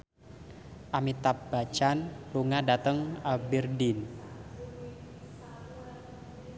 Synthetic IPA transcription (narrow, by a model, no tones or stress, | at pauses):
ʔamit̪ap̚b̥a̤t͡ʃanluŋadat̪əŋabɛrdin